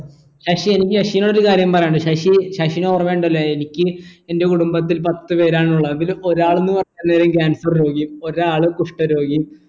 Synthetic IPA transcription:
ɕaːʂie̞nikʲːɨɕɐʂijnoɽoɾukaːɾjɐmpɐrejːɳɖɨɕaʂiɕaɕinoːrɐmeːɳɖɐlːɐenikʲːɨe̞nde̞kuɽumbɐt̪ːilpɐt̪ːɨpe̞ːɾaːɳuɭːɐenɡilo̞ɾaːɭenːɨpɐrɐɲt̪ːɐnːeːɾemk̬ʲaːnsɐrɾo̞ːɡijumo̞ɾaːɭɨkuʂʈɐɾo̞ːɡijum

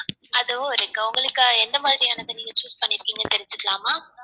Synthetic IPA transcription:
ʔɐðɯʋõɐɾɯŋɡɐʊŋɡɐɭɯkːɯɛnd̪ɐmaːðɪɾɪjaːnɐnd̪ɯniːŋɡɐt͡ʃuːspɐɳːɪɾɯkːiːŋɡɐt̪ɛɾɪɲd͡ʒɯkːɐɭaːmaː

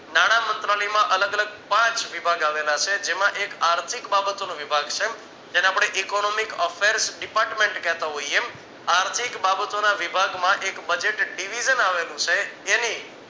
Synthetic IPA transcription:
naɽ̃amənt̪ɾalimãʔələɡələɡ̚pãt͡ʃʋibʱaɡaʋelat͡ʃʰed͡ʒemãʔekaɾt̪ʰikbabət̪onũʋibʱaɡt͡ʃʰe | d͡ʒeneapɽ̃eʔikonomikɔfʰeɾsɖipaɾʈmeɳʈkɛɦt̪aɦoie | aɾt̪ʰikbabət̪onaʋibʱaɡmãʔekbəd͡ʒeʈɖiʋid͡ʒənaʋelũt͡ʃʰeːni

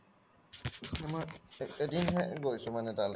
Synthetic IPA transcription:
ɛmaedinɦɛɡojsʊmanɛtal

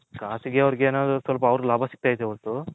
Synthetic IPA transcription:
kaːsiɡeɐʋɾiɡeːnaːd̪usʋɐlpɐːʋɾulaːbʱasi̥k̚t̪aːjd̪eɐʋɐnt̪u

